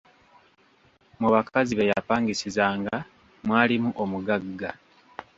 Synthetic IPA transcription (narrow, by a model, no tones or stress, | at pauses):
muβakaziβejapaːŋɡisizaːŋɡa | mwaːlimuʔomuɡaɡːa